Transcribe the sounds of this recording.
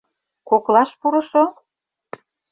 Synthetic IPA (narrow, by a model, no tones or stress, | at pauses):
koklɑʃpuɾɤ̆ʃo